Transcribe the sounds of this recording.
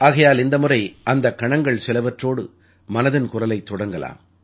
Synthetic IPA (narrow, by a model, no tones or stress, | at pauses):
aːɣɐjaːlɪnd̪ɐmʊrɐɪɐnd̪ɐkːɐɳɐŋɡɐɭsɛlɐʋɐʈroːɽɯ | mɐnɐðɪnkʊrɐlɐɪt̪ːɔɽɐŋɡɐla̰ːm